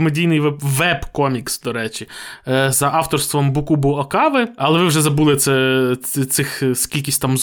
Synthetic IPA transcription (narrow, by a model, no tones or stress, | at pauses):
medʲijnɪjʋɛbʋɛbkɔmʲiksd̪ɔɾɛt͡ʃʲizɐʔɑwt̪ɔrst̪ʋɔmbukubʊɐkɑʋɪɐlˠɛʋɪwʒɛzɐbulˠɪt̪sɛt̪sɪxskʲilʲkʲisʲtʲt̪amz